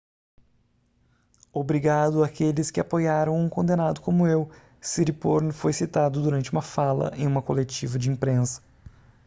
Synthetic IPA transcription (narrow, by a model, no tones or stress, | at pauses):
obɾiɡad̪ʊakelɪskɪapojaɾɐ̃w̃ũkõnd̪enad̪ʊkõmʊew | siɾipoɾnfojsit̪ad̪ʊd̪uɾɐ̃nt͡ʃɪũmɐfalɐ̰ʔẽj̃ũmɐkolet͡ʃivɐd͡ʒɪĩpɾẽsɐ̥